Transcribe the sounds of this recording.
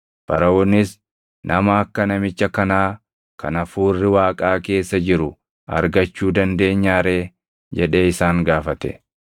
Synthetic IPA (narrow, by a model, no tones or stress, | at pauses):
b̥ɐɾɐʔɔnːɪs | nʔɐmɐɐkːɐnɐmɪt͡ʃːɐkɐnaː | kʰɐ̰nɐfuːrːɪwaːkʼaːke̞ːsːɐd͡ʒɪɾʊ | ɐ̰ɾɡɐt͡ʃːuːd̪ɐnd̪e̞ːɲːaːɾe̞ː | d͡ʒɛᶑe̞ːɪsaːŋɡaːfɐt̪ɛ̰